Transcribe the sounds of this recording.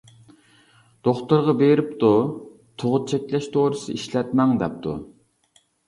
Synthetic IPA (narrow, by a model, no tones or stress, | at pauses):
d̪̥oχt̪uɾʁɑbeɾɪpt̪u | t̪ʰoʁʊt͡ʃʰɛkʲlɛʃt̪ʰoɾɨsɨ̰iʃlɛt̪mɛŋd̪ɛ̰p̚t̪ʰṵ